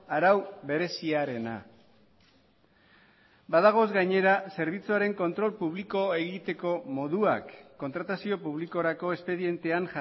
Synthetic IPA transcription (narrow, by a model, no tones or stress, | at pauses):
aɾawbe̞ɾe̞siaɾe̞na̰ | baðaɣ̞o̞zɡajɲe̞ɾase̞ɾβ̞it͡suaɾe̞ŋko̞nt̪ɾo̞lpuβ̞liko̞e̞ɣit̪e̞ko̞mo̞ðuakːo̞nt̪ɾat̪asio̞puβliko̞ɾako̞e̞spe̞ðie̞nt̪e̞aŋʝ